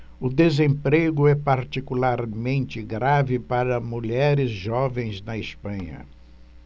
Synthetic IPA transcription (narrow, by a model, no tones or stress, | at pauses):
ʊd̪ezẽpɾeɡʊɛpaɾt͡ʃikulaɾmẽnt͡ʃɪɡɾavɪpaɾɐmuʎɛɾɪzʒɔvẽj̃znɐɪspɐ̃ɲɐ̰